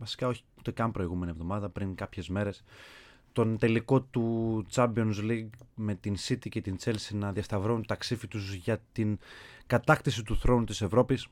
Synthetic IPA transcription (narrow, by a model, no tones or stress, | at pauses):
vɐsi̥kɐo̞çi̥ut̪ekɐnpɾo̞iɣume̞nievðo̞mɐðɐpɾiŋkɐpçe̞zme̞ɾes | t̪o̞nt̪e̞liko̞t̪ut͡sɐmbio̞nzliɡme̞t̪insit̪ice̞t̪int͡se̞lsinɐðiɐst̪ɐvɾount̪ɐksifit̪uzʝɐt̪inkɐt̪ɐxt̪is̬it̪uθɾo̞nut̪ise̞vɾo̞pis